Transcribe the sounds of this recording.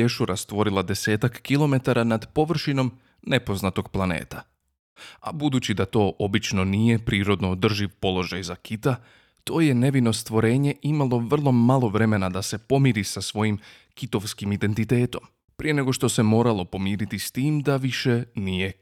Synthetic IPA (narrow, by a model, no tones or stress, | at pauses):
e̞ʃuɾast̪ʋo̞ɾilˠad̪e̞se̞ːt̪akːilˠo̞me̞t̪aɾʔanad̪po̞ʋr̩ʃino̞m | ne̞po̞znat̪o̞ɡ̥plˠanḛːt̪a | a̰bud̪uːt͡ɕid̪at̪o̞ːʔo̞bit͡ʃno̞nije̞pɾiːɾo̞d̪no̞ːd̪r̩ʒiʋpo̞lˠo̞ʒajzakit̪a | t̪o̞ːje̞ne̞ʋino̞st̪ʋo̞ɾe̞ːɲe̞ʔimalˠoʋr̩lˠo̞malˠo̞ʋɾe̞me̞nad̪ase̞po̞miɾisasʋo̞jim | kit̪o̞ʋskimid̪e̞nt̪it̪e̞ːt̪o̞m | pɾijene̞ɡo̞ʃt̪o̞se̞mo̞ːɾalˠo̞po̞miːɾit̪ist̪iːmd̪aʋiʃe̞nije̞